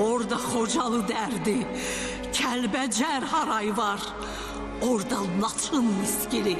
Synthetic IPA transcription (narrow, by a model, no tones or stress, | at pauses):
oɾd̪ɑχod͡ʒɑlˠɯd̪æɾd̪i | cʰælbæd͡ʒæɾhɑɾɑjvɑɾ | oɾd̪ɑnɑt̪ʰɯnmiskʲili